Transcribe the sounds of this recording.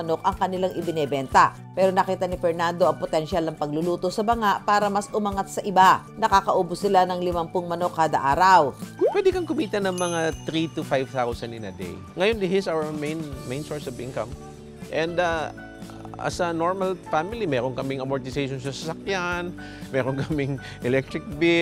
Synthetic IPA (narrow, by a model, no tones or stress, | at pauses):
ɐno̞kʔɐŋkɐnɪlaŋʔɪbɪnɛbɛnt̪ɐ | pɛːɾonɐkiːt̪ɐnɪfɛɹnand̪o̞ʔɐŋpot̪ɛnʃalnɐŋpɐɡ̚lʊluːt̪osɐbɐŋaʔpaːɾɐmɐsʔʊmɐŋat̪̚sɐʔɪba | nɐkaːkɐʔoːbʊsːɪlanɐŋlɪmampʊŋmɐno̞kːaːd̪ɐʔaːɾɐwpwɛd̪ɪkɐŋkʊmiːt̪ɐnɐŋmɐŋat̪ɾit̪ʊfajvt̪awsɐnɪnɐ̰d̪ḛj | ŋɐjond̪ɪhɪsawɐɹmejnmẽjnsoɹsɔvɪ̰nkɐm | ʔɛ̃nd̪a | ɐ̰sɐnoɹmɐlfamɪlimɛːɾoŋkɐmɪŋɐmoɹt̪ɪsejʃonsɐsɐsɐkjan | mɛːɾonkɐmɪŋ | ʔɛlɛk̚t̪ɾɪk̚bɪ